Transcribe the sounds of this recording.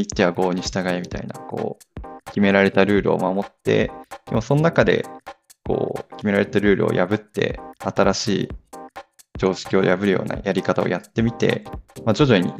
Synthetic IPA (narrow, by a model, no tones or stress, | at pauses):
it̪ːe̞βaɡo̞ːɲ̟iɕi̥t̪aɡaemʲit̪aina̰ko̞̰ː | kʲime̞ɾaɾe̞t̪aɾɯ̟ːɾɯ̟o̞̰mamo̞t̪ːe̞̰emoso̞nonakad̪e̞̰ | ko̞̰ːkʲime̞ɾaɾe̞t̪aɾɯ̟ːɾɯ̟̰o̞̰jʔabɯ̟t̪ːe̞̰at̪aɾaɕiː | d͡ʑo̞ːɕi̥kʲio̞jabɯ̟ɾɯ̟jo̰ːna̰jʔaɾʲikat̪ao̞̰jat̪ːe̞mʲit̪e̞̰mad͡ʑo̞ʑo̞ɲ̟ḭ